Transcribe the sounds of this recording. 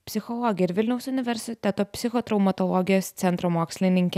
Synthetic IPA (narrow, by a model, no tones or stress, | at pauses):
pʲsʲɪxɔlˠɔɡʲɪɾʋʲɪlʲnɛʊsʊnʲɪʋʲɛɾʲsʲɪt̪ʲɛt̪oːpʲsʲɪxot̪ɾɐʊmɐt̪ɔlˠɔɡʲɪjost̪sʲɛnt̪ɾomɔːksʲlʲɪnʲɪŋʲkʲɛ